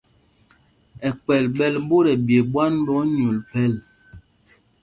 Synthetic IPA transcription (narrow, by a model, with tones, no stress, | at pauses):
ɛ˨k͡pɛ˨lɓɛ˦˨lbo˦ɾɛ˨bje˨ɓwa˦nbɔ˨˦ɲu˨lpɛ˦˨l